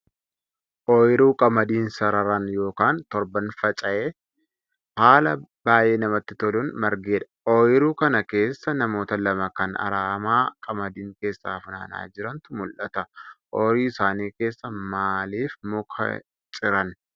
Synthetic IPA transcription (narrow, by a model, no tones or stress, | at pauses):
ʔɔjɾuːkʼɐmɐd̪iːnsɐɾɐɾɐnjo̞ːkaːnt̪ɔɾbɐnfɐt͡ʃʼɐʔeː | haːlɐbaːje̞ːnɐmɐt̪ːɪt̪ɔlʊnmɐɾɡeːᶑ̪ɐ̥ʔɔjɪɾuːkɐnɐke̞ːsːɐnɐmo̞ːt̪ɐlɐmɐkɐnɐ̰ɾaːmaːkʼɐmɐd̪iːŋke̞ːsːa̰ːfna̰ːna̰ːd͡ʒɪɾɐnt̪ʊmʊlʔɐt̪ɐʔɔːɾiːɪsaːniːke̞ːsːɐmaːliːfmʊkʰɐ̰ | t͡ʃʼɪɾɐn